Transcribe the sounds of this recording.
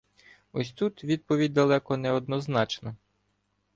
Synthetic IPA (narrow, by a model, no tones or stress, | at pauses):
ɔsʲt̪ut̪ʋʲid̪̚pɔʋʲid̚ʲd̪ɐlˠɛkɔnɛɔd̪nɔznɑt͡ʃnɐ